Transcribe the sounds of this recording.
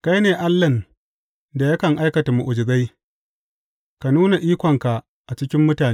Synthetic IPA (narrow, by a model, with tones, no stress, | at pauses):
ka˦jneː˨ʔa˦lːɐ˨n | da˨ja˦kɐ˨ŋʔa˦jkɐ˨ta˨mu˨ʔʊ˨d͡ʒɪ˨ba˦j | ka˨nuː˦na˨ʔiː˦kʷɔ˨ŋka˨ʔ | ʔa˨t͡ʃɪ˦kʲɪ˦mːʊ˦taː˨n